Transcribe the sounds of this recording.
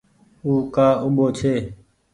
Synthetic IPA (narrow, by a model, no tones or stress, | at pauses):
uːkaːʊɓoːt͡ʃʰeː